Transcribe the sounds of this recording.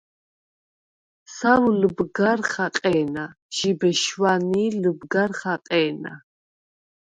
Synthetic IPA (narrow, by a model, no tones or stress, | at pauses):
sawlubɡaɾχaqʼɛːna | ʒ̥ibɛʃwaniːlubɡaɾχaqʼɛːna̰